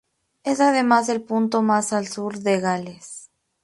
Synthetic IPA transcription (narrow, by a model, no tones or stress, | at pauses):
e̞saðe̞maze̞lpunt̪o̞masalsuɾðeɣales